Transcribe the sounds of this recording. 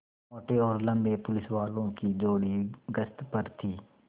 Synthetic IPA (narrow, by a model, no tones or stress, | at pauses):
ɔːʈeːɔːɾləmbeːpʊlɪsʋaːlõːkiːd͡ʒoːɽiːɡəst̪pəɾt̪ʰiː